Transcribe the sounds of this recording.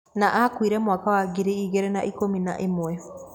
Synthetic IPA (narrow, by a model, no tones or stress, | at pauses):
naʔakwiɾɛmwakawaɡiɾiiɣeɾɛnaʔikominaʔemwɛ